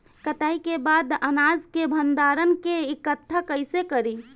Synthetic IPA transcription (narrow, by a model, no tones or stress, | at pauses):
kət̪aːikebaːd̪ənad͡ʒkebʱənd̪aːɾənkeɪkət̪ʰːakəɪsekəɾi